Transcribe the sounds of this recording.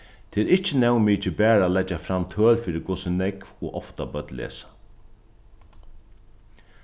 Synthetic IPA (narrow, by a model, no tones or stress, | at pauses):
t̪ʰeːɾɪht͡ʃɪnɛwmiːt͡ʃɪbɛːɾaːlɛt͡ʃːafɾamt̪ʰœːlfiːɾɪkʊːsɪnɛkvɔʔɔft̪abœt̪lḛːsḁ